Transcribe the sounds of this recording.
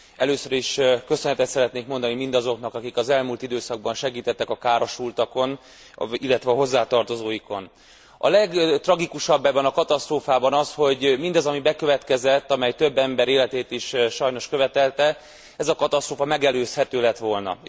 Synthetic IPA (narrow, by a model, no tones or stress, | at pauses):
ɛløːsøɾiʃkø̞sønɛt̪ɛt̪sɛɾɛt̪neːkmo̞nd̪ɒnimind̪ɒzo̞knɒkɒkikɒzɛlmuːlt̪id̪øːsɒɡ̚bɒnʃɛɡiːt̪ɛt̪ːɛkɒkaːɾo̞ʃult̪ɒko̞n | ilːɛt̪ʋɛɒɦo̞zːaːt̪ɒrt̪o̞zoːjiko̞n | ɒ̰lɛɡt̪rɒɡikuʃɒbːɛbːɛnɒkɒt̪ɒst̪roːfaːbɒnɒsho̞ɟmind̪ɒzɒmibɛkø̞vɛt̪kɛzɛt̪ːɒmɛjt̪ø̞bːɛmbɛɾeːlɛt̪eːt̪iʃʃɒjno̞ʃkøvɛt̪ɛlt̪ɛ | ɛzɒkɒt̪ɒst̪roːfɒmɛɡɛløːshɛt̪øːlɛt̪ʋo̞lnɒ̰